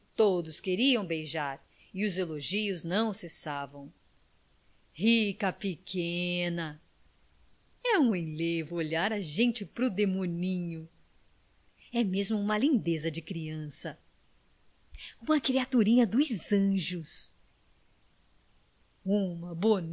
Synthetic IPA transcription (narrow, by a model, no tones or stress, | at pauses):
t̪od̪ʊskeɾiɐ̃w̃bejʒaɾ | ɪʊzeloʒiʊznɐ̃w̃sesavɐ̃w̃ | hikɐpɪkʰẽnɐ | ɛũẽj̃levʊoʎaɾɐʒẽnt͡ʃɪpɾʊd̪emõnĩɲʊ | ɛmezmʊũmɐlĩnd̪ezɐd͡ʒɪkɾiɐ̃sɐ | ũmɐkɾiat̪uɾĩɲɐd̪ʊzɐ̃ʒʊs | ũmɐbon